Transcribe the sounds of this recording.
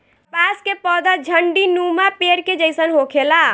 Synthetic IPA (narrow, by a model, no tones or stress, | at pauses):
paskepɔd̪əd͡ʒʱəɳɖinumapeɾked͡ʒəjsənɦokʰela